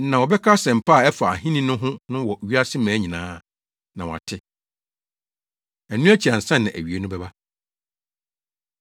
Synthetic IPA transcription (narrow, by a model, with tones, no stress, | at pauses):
nã˨wɔ˨bɛ˦kʰa˦sɛ̃˨m̩˨pʰa˦˨ɛ˦fa˨a˨ɦĩ˦nĩ˦nʊ̃˦ɦʊ̃˦nʊ̃˦wɔ˨ɥi˦a˦sɪ˦mæ̃ː˨˦ɲĩ˨nãː˨˦˨ | nã˨wɔ˨a̰˨tʰɪ˦ | æ˨nũ˦æ˦t͡ɕʰi˨a˨n̩˨sɛ̃˦nːɪ̃˨ʔæ̰˨ɥi˨e˨˦nʊ̃˦bɛ˦ba˦